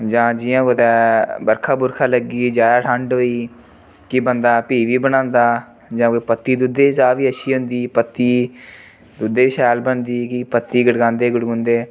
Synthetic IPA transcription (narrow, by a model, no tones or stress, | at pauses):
d͡ʒãːd͡ʒɪjãːkot̪ɛːbəɾkʰaːbʊɾkʰaːləɡiːd͡ʒaːjaːʈʰəɳɖɦoːiː | kibənd̪aːpiːʋiːbənãːnd̪aː | d͡ʒãːkopət̪ːiːd̪ud̪eːd͡ʒaːʋiːəʃʰiːɦʊ̃nd̪iːpət̪ːiː | d̪ud̪eːɪʃɛːlbənd̪iːkipət̪ːiːɡəɽɡãːnd̪eːɡəɽɡʊ̃ːnd̪eː